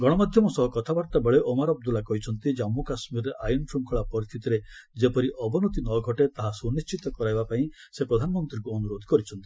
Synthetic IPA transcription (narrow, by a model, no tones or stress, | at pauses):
ɡɔɽ̃ɔmad̪ʱjɔmɔsɔɦɔkɔt̪ʰabaɾt̪abeɭeʔɔmaɾɔb̚d̪ulakɔɦit͡ʃʰɔnt̪id͡ʒamːukasmiɾeʔajinpʰɾuŋkʰɔɭapɔɾist̪ʰit̪iɾed͡ʒepɔɾiʔɔbɔnot̪inɔɡʱɔʈet̪aɦasunist͡ʃit̪ɔkɔɾajbapaĩ | sepɾɔd̪ʱanɔmɔnt̪ɾikuɔnuɾod̪ʱɔkɔɾit͡ʃʰɔnt̪i̥